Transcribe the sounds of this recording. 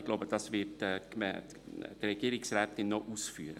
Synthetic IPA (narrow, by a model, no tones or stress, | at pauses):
ɡlowbəd̥ɑsvɪtːkmɛ | drɛɡ̥iːɾɪksrɛːtɪnːoʔusfyəɾə